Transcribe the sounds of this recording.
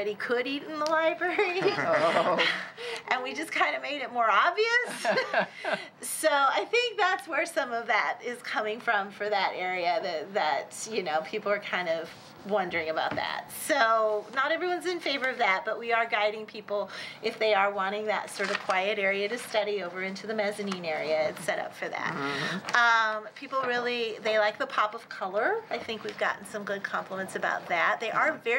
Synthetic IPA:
ɾikʰɨɾiɾn̩ðəlaɪbɹɛɹi | ʔɨ̃nwid͡ʒʌskʰãɪ̃ndɨmeɪɾɨt̚mɔɹɑbviɨs | oʊaɪθɪ̃ŋk̚ðætswə˞sʌ̃mʌvðæɾɪz̥kʰʌmɪ̃ŋfɹʌ̃ɱfə˞ðɨɾɛɹiɨðɨðɨt̚jɨnoʊpʰipl̩ˠə˞kʰãɪ̃ndʌv | wʌ̃ndə˞ɪ̃ŋɨbaʊt̪̚ðæ̰t̚soʊnəɾɛvɹiwʌ̃nzɨ̃nfeɪvə˞ʌvðæt̚b̥ʌʔ̚wiə˞ɡaɪɾɪ̃ŋpʰipl̩ˠʔɨfðeɪə˞wɑ̃ɾ̃ɪ̃ŋðɨ̰tsɔɹɾʌv̥kʰw̥aɪɨɾɛɹiɨɾɨstʌɾioʊvə˞ɪ̃ntʰʉðɨmɛzɨnĩnɛɹiɨɨsɛɾʌ̰pfə˞ðæ̰t̚ʌ̃mpʰipl̩ˠɹɪlˠiðeɪlaɪk̚ðəpʰɑpʌv̥kʰʌlˠə˞aɪθɪ̃ŋkwivɡɑ̰ʔn̩sʌ̃mɡʊd̚kʰɑ̃mpʰləmɨ̃ntsɨba̰ʊt̪̚ðæt̚ðeɪʔə˞vɛ

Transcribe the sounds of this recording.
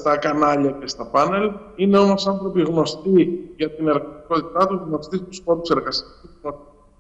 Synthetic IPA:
t̪ɐkɐnɐʎɐcest̪ɐpɐne̞line̞o̞mo̞sɐnθɾo̞piɣno̞st̪iʝɐt̪ine̞ɾɣɐt̪iko̞t̪it̪ɐt̪uzɣno̞st̪ist̪usfo̞ɾuse̞ɾɣɐsi̥ɐiinot̪i

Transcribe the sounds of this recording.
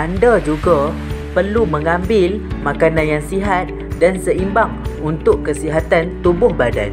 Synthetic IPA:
andad͡ʒuɡa | pərlumə̃ŋãmbɪlmãkananjaŋsiɦat̪̚ | dansəimbaŋunt̪ʊʔkːəsiɦat̪ant̪ubʊhbada̰n

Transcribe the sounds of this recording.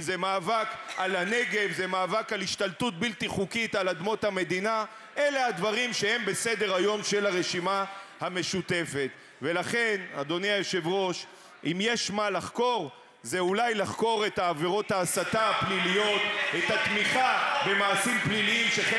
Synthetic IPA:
zemaːvakalane̞ɡe̞vzemaːvakaliʃt̪alt̪ut̪̚bilt̪iχukit̪alad̪mo̞t̪hame̞d̪ina | ʔe̞le̞had̪vaʁimʃe̞he̞mbe̞se̞d̪e̞ʁajo̞mʃe̞laʁe̞ʃimahame̞ʃut̪e̞fe̞t̪ | ve̞laχe̞nad̪o̞neajoʃevʁo̞ʃ | ʔimje̞ʃmalaχko̞ʁ | zeulajlaχko̞ʁe̞t̪aːve̞ʁo̞t̪aːsat̪aplilijo̞t̪et̪hat̪miχabe̞maːsimpliliimʃeχe

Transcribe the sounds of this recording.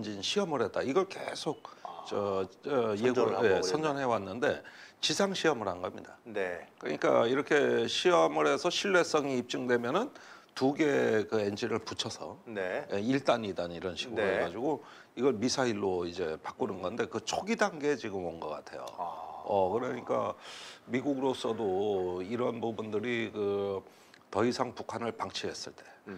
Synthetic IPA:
end͡ʑinɕʰiʌmɯɾɦe̞t͈̚aiɡʌɭke̞̰sʰok̚t͡ɕʌʌjeeʌnd͡ʑʌnɦe̞wanːɯnde̞t͡ɕisʰaŋɕʰiʌmɯɾɦhanɡʌmɲḭdanekɯɯ̰ɲik͈a̰iɾʌkʰe̞ɕʰiʌmɯɾɦe̞sʰʌɕʰiɭːe̞s͈ʌŋiːp̚t͡ɕ͈ɯŋdwe̞mjʌnɯn | tuɡe̞kɯend͡ʑiɾɯɭput͡ɕʰʌsʰʌ̰nejeiɭt͈aɲidaniɾʌnɕʰiɡueɡad͡ʑiɡo | iɡʌɭmisʰaiɭːoid͡ʑe̞pak͈unɯnɡʌnde̞kɯt͡ɕʰoɡidanɡe̞t͡ɕiɡɯmwʌnɡʌk͈a̰tʰe̞̰jo̰ʌkɯɾʌɲik͈a̰miɡuɡɯɾos͈ʌdoiɾʌnpubundɯɾikɯ | tʌisʰaŋpukʰanɯɭpaŋt͡ɕʰiɦe̞s͈ɯɭt͈e̞

